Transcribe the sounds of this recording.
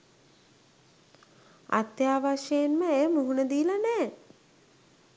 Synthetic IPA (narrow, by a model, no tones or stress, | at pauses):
a̰t̪jaːʋaʃejenməejəmuɦunəd̪iːlanɛː